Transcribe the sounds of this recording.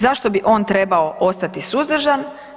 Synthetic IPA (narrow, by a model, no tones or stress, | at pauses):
zaʃt̪o̞biʔo̞ːnt̪ɾebaoʔo̞st̪at̪isuzd̪r̩ʒan